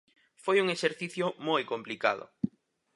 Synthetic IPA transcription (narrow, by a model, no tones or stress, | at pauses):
fojuŋeʃeɾθiθjʊmojkomplika̰ðʊ̰